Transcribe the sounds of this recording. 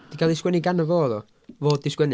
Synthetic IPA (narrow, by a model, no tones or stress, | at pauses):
d̥ikalˠiskwɛniɡanəvoːðɔ | voːddiskwɛni